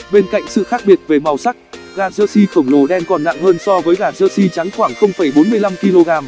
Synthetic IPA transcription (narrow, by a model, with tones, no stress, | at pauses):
ɓe˧nka̰˧˨jŋ̟sɨ̰˧˨xaː˦˥k̚ɓi˨˩ət̚ve˨˩ma˨˩wsa˦˥k̚ | ɣaː˨˩zəː˧si˧xə˧˩ŋ͡mlo˨˩ɗɛ˧mkɔ˨˧˩nːa̰˧˨ŋhəː˧nsɔ˧vəː˨˦jɣaː˨˩zəː˧si˧t͡ɕa˨˦ŋxwaː˧˩ŋxə˧wŋ͡mfə˧˩jɓo˨˦nmɨ˧əjla˧mki˧lo˧ɣaː˧m